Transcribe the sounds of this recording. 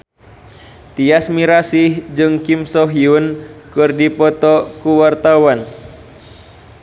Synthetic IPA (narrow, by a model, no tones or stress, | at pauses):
t̪iasmiɾasihd͡ʒɨŋkimsɔɦiunkɨrdipɔt̪ɔkuwart̪awan